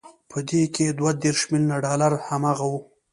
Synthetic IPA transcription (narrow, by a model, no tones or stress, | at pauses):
pʰəd̪ekʰed̪wad̪eɾʃmilnaɖɑlaɾhamaɣawu